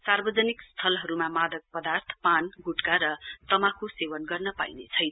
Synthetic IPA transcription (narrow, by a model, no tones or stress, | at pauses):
sarbʌd͡zʌnikst̪ʰʌlɦʌɾumamad̪ʌk̚pʌd̪art̪ʰpanɡuʈkaɾʌt̪ʌmakosewʌnɡʌrnʌpa̰jnet͡sʰʌj